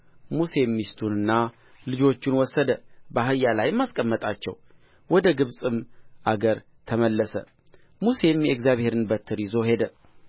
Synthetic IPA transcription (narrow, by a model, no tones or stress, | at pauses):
muse̞mːist̪ʰunɨnːa | lɨd͡ʒo̞t͡ʃːɪnwɔsːəd̪əbaɦɨjːalajmːaskʼəmːət̪ʼat͡ʃːɛ̰w | wʔɔd̪əɡɨβsʼɨmʔaɡəɾ | t̪ʰəməlːəsə̰ | muse̞mjɛkzjaβhe̞ɾɨnbət̪ʰːɨɾizo̞ɦe̞d̪ə